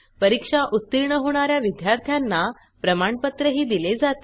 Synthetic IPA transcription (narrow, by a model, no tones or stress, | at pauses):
pəɾikʂaʔut̪ːiɾɳəɦoɽ̃aɾjaʋid̪jaɾt̪ʰjanːa | pɾəmaɳpət̪ɾəɦiːd̪iled͡zat̪